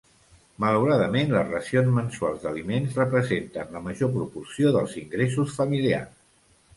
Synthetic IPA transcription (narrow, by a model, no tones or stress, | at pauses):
mələwɾaðəmenləzrəsionzmənsualˠzd̪əlimenzrəpɾəzent̪ənləməʒopɾupursioðəlˠziŋɡɾes̬usfəmilia̰rs